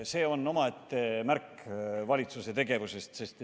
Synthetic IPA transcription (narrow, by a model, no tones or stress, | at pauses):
se̞ːo̞no̞mɑet̪ːe̞mærkvɑlʲit̪suse̞t̪e̞ɡ̥e̞vuse̞st̪se̞st̪